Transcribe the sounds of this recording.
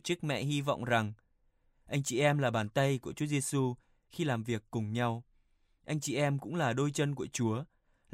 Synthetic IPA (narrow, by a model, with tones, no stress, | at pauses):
t͡ɕɨ˦˥k̚mɛ̰˧˨ɦi˧vɔ̰˧˨wŋ͡mza˨˩ŋ | ʔa˧jŋ̟t͡ɕḭ˧˩ʔɛ˧mlaː˨˩ɓaː˨˩nt̪ə˧jku˧˩ət͡ɕu˨˦ze˧su˧ | xi˧laː˨˩mvi˨˩əkːʊ˨˩ŋ͡mɲa˧w | ʔa˧jŋ̟t͡ɕḭ˧˨ʔɛ˧mkʊ̰˧˥ŋ͡mlaː˨˩ɗo˧jt͡ɕə˧nku˧˩ət͡ɕu˨˦ə